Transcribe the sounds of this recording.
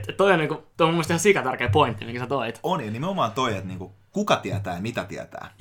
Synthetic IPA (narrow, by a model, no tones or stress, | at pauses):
t̪tt̪oioniːŋkut̪oomumːest̪ihɑsikɑt̪ærkeːpoint̪ːimiŋksæt̪oit̪onjɑnimeomɑːnt̪oiet̪niːŋku | kukɑt̪iæt̪æːjɑmit̪æt̪iæ̰t̪æ̰ː